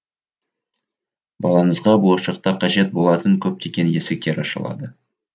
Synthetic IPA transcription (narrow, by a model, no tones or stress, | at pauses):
bɑlˠɑnəzʁɑbʊlˠɑʃɑq̚t̪ɑqʰɑʒe̞t̪̚bo̞lˠɑt̪əŋkʲʰɵp̚t̪ʰekʲenje̞sɪk̚ʲkʲeɾɑ̰ʃə̰lˠɑ̰d̪ə